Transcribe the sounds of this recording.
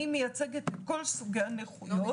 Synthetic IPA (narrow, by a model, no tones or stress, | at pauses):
imejat͡seɡet̪kolsuɡaneχujo